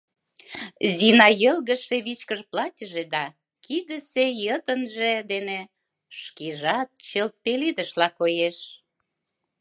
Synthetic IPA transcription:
zinɑjəlɣə̆ʃeβit͡ɕkəʒplɑtʲəʒed̪ɑ | kid̪əsejət̪ənʒed̪ene | ʃkiʒɑt̪̚t͡ɕəlt̪̚pelid̪əʃlɑkojeʃ

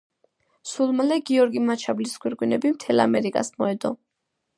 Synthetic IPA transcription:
sulˠmlɛɡiɔɾɡimat͡ʃʰabliskʰwiɾkʼwinɛbimt̪ʰɛlˠa̰mɛɾikʼa̰smɔɛd̪ɔ

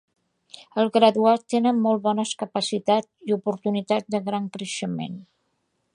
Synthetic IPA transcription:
əlˠɣɾəðuat̪ːenəmmɔlˠβɔnəskəpəsit̪at͡siupuɾt̪unit̪atd̪əɣɾaŋkɾəʃəmḛn

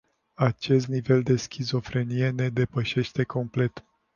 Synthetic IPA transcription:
at͡ʃe̞st̪nive̞ld̪e̞skʲʰizo̞fɾe̞nije̞ne̞d̪e̞pəʃe̞ʃt̪e̞ko̞mple̞t̪

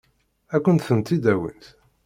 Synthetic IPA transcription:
ækʷːənt̪θənt̪ːid̪æwḭnt̪

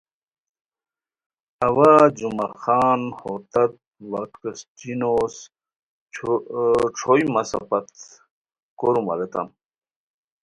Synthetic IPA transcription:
ɐwad͡ʑumaxaːnhot̪ɐt̪̚waʈkɐst͡ɕinoːs | ʈ͡ʂʰojmɐsɐ̰pɐt̪ | koɾumɐ̰let̪ɐ̰m

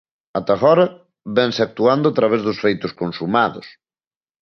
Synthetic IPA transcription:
at̪aɣɔɾɐ | βɛŋsɪak̚t̪uand̪ʊat̪ɾaβ̞ɛzðʊsfejt̪ʊskonsumaðʊ̰s

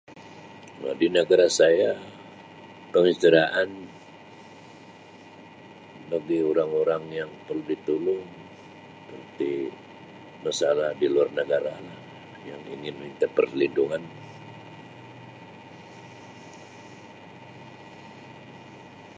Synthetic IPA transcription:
wa̰dinəɡaɾasaja | pəŋist̪iɾaʔan | ləɡioɾaŋoɾaŋjaŋpərludit̪ulʊŋ | pərt̪i | masalahdiluarnəɡaɾalah | jaŋḭŋɪnməɲit̪apərlinduŋan

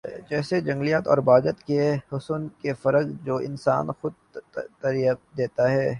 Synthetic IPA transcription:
d͡ʒɛːsed͡ʒɐ̃ŋɡlijat̪ɔ̰ːɾbaːɡət̪kehʊsʊnkefɐɾəɡd͡ʒoːɪ̰nsa̰ːnxʊd̪̚ | t̪ɐɾijəd̪eːt̪aɦɛː

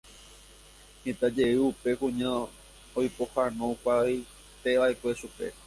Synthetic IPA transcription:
hẽt̪ad͡ʒe̞ɨupe̞kũɲã | ojpo̞hanõkʷaj | t̪e̞ʋaekʷe̞ʃupe̞̰

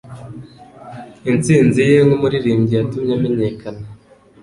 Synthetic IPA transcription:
int͡siːnzije̞ŋɡumuɾiɾiːɲɟijatumɲame̞ɲe̞kʰana

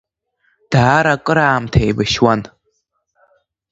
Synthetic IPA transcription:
d̥aːɾakʼɨɾaːmtʰajbaʃwan

